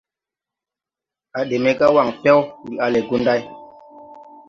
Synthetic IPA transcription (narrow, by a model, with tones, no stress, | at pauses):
a˨ɗe˨me˦ka˦wa˨ŋfɛ˦wwi˨a˦le˨ɡu˦nda˦j